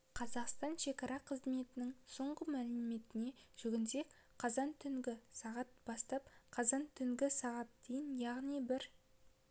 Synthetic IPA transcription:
qʰɑzɑqst̪ɑnʃe̞kɑɾɑqʰəzme̞t̪ɪnɪŋso̞ɴʁəmælɪme̞t̪ɪne̞ʒ̥ʏɡʲɪnse̞k | qʰɑzɑnt̪ʰʏŋɡʲɪsɑʁɑt̪̚b̥ɑst̪ɑp̚qʰɑzɑnt̪ʰʏŋɡʲɪsɑʁɑt̪̚d̪ejɪnjɑʁnijbɪɾ

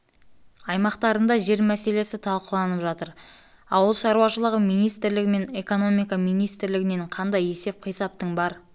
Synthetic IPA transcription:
ɑjmɑqt̪ɑɾənd̪ɑʒe̞ɾmæse̞le̞sɪt̪ʰɑlˠqəlˠɑnəpʒɑt̪əɾ | ɑwəlˠʃɑɾuɑʃəlˠəʁəmijnijst̪ɪɾlɪɡʲɪme̞ɴe̞ko̞no̞mijkɑmijnijst̪ɪɾlɪɡʲɪne̞ɴqʰɑnd̪ɑje̞se̞p̚qʰijsɑp̚t̪əɴbɑɾ

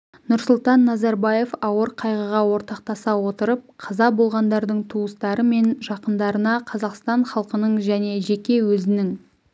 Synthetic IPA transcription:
nʊɾsʊlˠt̪ɑnːɑzɑɾbɑje̞fɑwəɾqʰɑjʁəʁɑwo̞ɾt̪ɑq̚t̪ɑsɑwo̞t̪əɾəp̚qʰɑzɑbo̞lˠʁɑnd̪ɑɾd̪əɴt̪ʰuəst̪ɑɾəme̞nʒɑqənd̪ɑɾənɑqʰɑzɑqst̪ɑɴχɑlˠqənəɴʒæne̞ʒe̞kʲe̞wɵzɪnɪŋ

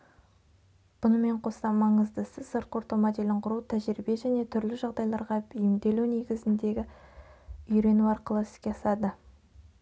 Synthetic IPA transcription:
b̥ʊnəme̞ɴqʰo̞sɑmɑɴəzd̪əsɪzsəɾt̪̚qʰoɾt̪omɑd̪elɪɴqʰʊɾut̪ʰæʒɾibe̞ʒæne̞t̪ʰʏɾlɪʒɑʁd̪ɑjlˠɑɾʁɑʏjɪmd̪e̞lune̞ɡʲɪzɪnd̪e̞ɡʲɪ | ʏɾe̞nuɑɾqəlˠəsɪ̥z̥kʲesɑd̪ə

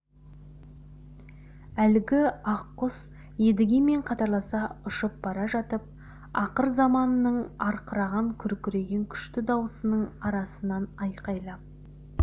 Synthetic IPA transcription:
ælɪɡʲɪɑqːʊs | je̞d̪ɪɡʲe̞me̞ɴqʰɑt̪ɑɾlˠɑsɑʊʃəp̚b̥ɑɾɑʒɑt̪əp̚ | ɑqəɾzɑmɑnənəɴɑɾqəɾɑʁɑŋkʲʰʏɾkʲʏɾe̞ɡʲe̞ŋkʲʰʏ̥ʃt̪ɪd̪ɑwəsənəɴɑɾɑsənɑnɑjqɑjlˠɑp

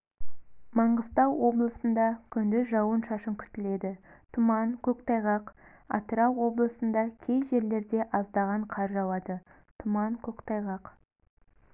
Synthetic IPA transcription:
mɑɴʁəst̪ɑwwo̞blˠəsənd̪ɑkʲʰʏnd̪ɪʒɑwənʃɑʃəŋkʲʰʏ̥t̪ɪle̞d̪ɪt̪ʰʊmɑŋkʲʰɵkt̪ɑjʁɑq | ɑ̰t̪əɾɑwːo̞blˠəsənd̪ɑkʲʰe̞jʒe̞ɾle̞ɾd̪e̞ʔɑzd̪ɑʁɑɴqʰɑɾʒɑlˠɑd̪ə | t̪ʰʊmɑŋkʲʰɵkt̪ɑjʁɑq

